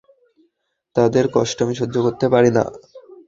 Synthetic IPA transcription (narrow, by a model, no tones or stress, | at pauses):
t̪ad̪eɾkɔʃʈomiʃodːokoɾt̪epaɾina̰